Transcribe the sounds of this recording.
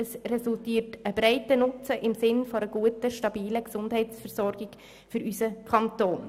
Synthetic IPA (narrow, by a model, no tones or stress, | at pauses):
əsrɛsʊltiːətəb̥ɾɛɪtənʊt͡səʔɪmsɪnfɔəɡ̥uətəʃtɑb̥iːləksʊnd̥ɦɛɪtsfɛrsɔɾɡɪɡ | fʏɾysəkʰɑntoːn